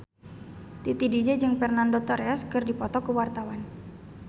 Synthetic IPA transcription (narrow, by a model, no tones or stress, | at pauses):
t̪it̪idid͡ʒɛd͡ʒɨŋfɛrnandot̪ɔɾɛskɨrdipɔt̪ɔkəwart̪awan